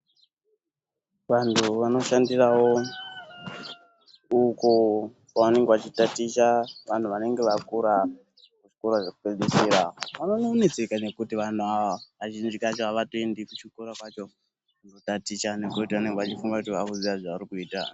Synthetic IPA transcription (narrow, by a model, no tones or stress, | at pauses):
ʋantʰuʋano̞ʃandirawo | uko | kaane̞ŋɡeʋat͡ʃitatiʃaʋan̤uʋane̞ŋɡe̞ʋakuɾa | kut͡ʃi̥koɾaʐakupeɗesiɾaʋanonoːnet͡sekane̞kutiʋan̤uaʋaaʒind͡ʒikat͡ʃoaʋatoendikut͡ʃikuɾakwat͡ʃo̞ | kuno̞tatiʃanekutiʋane̞ŋɡeʋat͡ʃifuŋɡakutiʋakuziʋaʐaʋaɾikuiːta